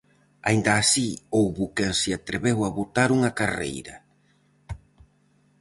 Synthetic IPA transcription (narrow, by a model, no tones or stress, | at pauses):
a̰ind̪aːsiowβukensiat̪ɾeβewaβot̪aɾuŋɐkarḛjɾɐ